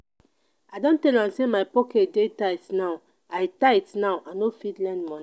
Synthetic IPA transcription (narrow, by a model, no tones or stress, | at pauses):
ajdõntɛlãmsemaɪpɔkɛtdetaitnaʊ | aɪtaitnawʔanofitlɛ̃ndmɔ̃n